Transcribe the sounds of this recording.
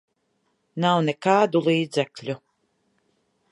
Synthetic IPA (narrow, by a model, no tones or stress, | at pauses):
nawnekaːd̪ulˠiːd̪zɛklʲu